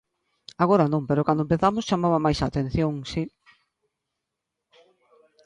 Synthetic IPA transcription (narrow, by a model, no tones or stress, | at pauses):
aɣ̞oɾanõŋpeɾokand̪ʊempeθamʊst͡ʃamaβamajsaːt̪ẽn̟θjoŋsi